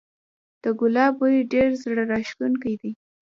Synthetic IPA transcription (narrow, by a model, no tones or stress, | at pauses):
d̪̥əɡʊlɑbwajiɖeɾzɽəɾɑʃk̪unkajd̪i